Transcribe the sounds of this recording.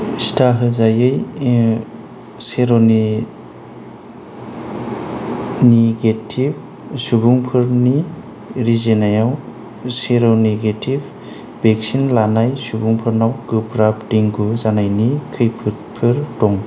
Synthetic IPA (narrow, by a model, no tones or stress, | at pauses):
stʰaɦɯzajɯj | seɾon | niɡetʰib | subuŋpʰɯɾni | ɾizenajaw | seɾoneɡetʰib | bek̚sinlanajsubuŋpʰɯɾnawɡɯpɾapdiŋɡuzanajnikʰɯjpʰɯt̚pʰɯɾtɔŋ